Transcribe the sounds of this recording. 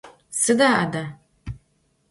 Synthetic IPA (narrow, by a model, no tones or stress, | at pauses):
sɨd̪aːʔada